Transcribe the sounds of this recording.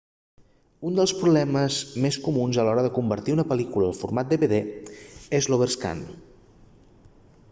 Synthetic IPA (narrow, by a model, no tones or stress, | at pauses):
und̪əlˠspɾuβlɛməzmeskumunzəlɔɾəðəkumbəɾt̪iunəpəlikuləːlˠfurmat̪̚d̪eβeðe | ezloβeɾska̰n